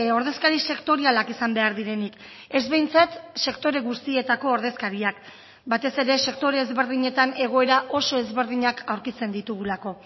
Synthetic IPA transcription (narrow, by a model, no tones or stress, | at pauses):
o̞ɾðe̞skaɾise̞kt̪o̞ɾialakisambe̞aɾðiɾe̞nik | e̞zβe̞jnt͡sat̪se̞kt̪o̞ɾe̞ɣust̪ie̞t̪ako̞ːɾðe̞skaɾiak | bat̪e̞se̞ɾe̞se̞kt̪o̞ɾe̞ːzβe̞ɾðiɲe̞t̪ane̞ɣ̞o̞e̞ɾaʔo̞so̞e̞zβe̞ɾðiɲakawɾkit͡se̞nd̪it̪uɣulako̞